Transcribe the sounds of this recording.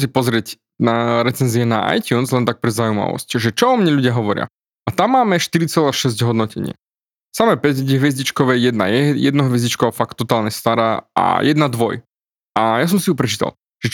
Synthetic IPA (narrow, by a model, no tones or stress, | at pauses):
s̬ipɔzɾɪɛc | naɾɛt͡sɛnziɛnaʔa̰jt̪unzlɛnt̪ak̚pɾɛzaujma̰ʋɔ̰scʒɛt͡ʃɔɔmɲɛʎuɟɪaɦɔʋɔɾɪa̰ | at̪amːaːmɛʃt̪iɾit͡sɛlaːʃɛzɟɦɔd̪nɔcɛɲɪɛ̰ | samɛpɛɟɟɛɦʋjɛzɟit͡ʃkɔʋɛjɛd̪na̰jɛjɛ̰d̪nɔɦʋjɛzɟit͡ʃkɔʋafakt̪ːɔt̪aːlɲɛst̪aɾaːa̰jɛd̪nad̪ʋɔj | ajas̬ɔmsijupɾɛt͡ʃiːt̪a̰lˠ | ʒ̥ɛ